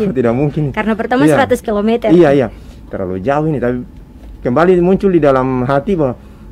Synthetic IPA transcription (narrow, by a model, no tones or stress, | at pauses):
t̪idak̚muŋkɪnkarnapərt̪amasaɾat̪ʊskilomɛt̪əiaija | t̪ərla̰lṵd͡ʒauinit̪api | kəmbalimuɲt͡ʃʊldidalamɦat̪ibawa